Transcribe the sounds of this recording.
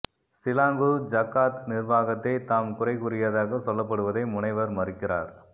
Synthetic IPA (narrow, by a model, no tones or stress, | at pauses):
sɪlaːŋɡɯd͡ʒɐkːaːt̪nɪɾʋaːɣɐt̪ːɐɪt̪aːmkʊrɐɪkʊɾɪjaðaːɣɐsɔlːɐp̬ːɐɽɯʋɐðɐɪmʊnɐɪʋɐɾmɐrɪkːɪɾa̰ːɾ